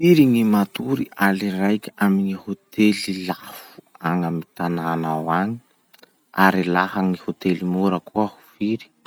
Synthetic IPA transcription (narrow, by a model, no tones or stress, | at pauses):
iɾiŋimat̪uɾialirajkʲamiŋihot̪elilafu̥aŋamit̪ananawaŋi̥ | aɾilahaŋihot̪elimuɾəkuahu̥fiɾi̥